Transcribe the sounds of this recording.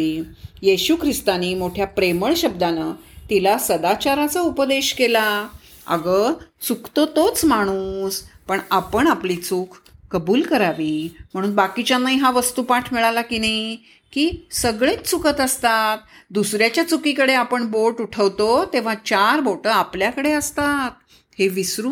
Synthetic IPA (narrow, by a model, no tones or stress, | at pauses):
ijeɕukʰɾist̪animoʈʰjapɾeməɭɕəbd̪anət̪ilasəd̪at͡ɕaɾat͡saupəd̪eɕkela | ə̰ɡət͡sukt̪ot̪ot͡smaɽ̃uspəɳapəɳaplit͡sukʰkəbuːlkəɾaʋiːm̤əɽ̃uːnbakit͡ɕjanaiɦaʋəst̪upaʈʰmiɭalakinii | kiːsəɡɭẽt͡st͡sukʰət̪əst̪at̪̚d̪usɾjat͡ɕjat͡sukikəɽeapəɳboʈuʈʰəʋt̪ot̪eʋ̤at͡ɕaɾboʈəapljakəɽeəst̪at̪̚ | heʋisɾu